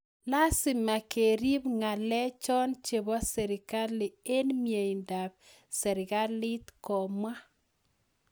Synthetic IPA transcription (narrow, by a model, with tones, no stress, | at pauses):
la˦sɪ˨ma˨ke˨ɾi˦bŋa˨lɛ˦t͡ʃɔ˦nt͡ʃe˨bɔ˦sɛ˨ɾɪ˨ka˦lɪ˨e˦nmje˨i˨nda˨b̚ | sɛ˨ɾɪ˨ka˦lɪ˦t̪kɔ˨mwa˦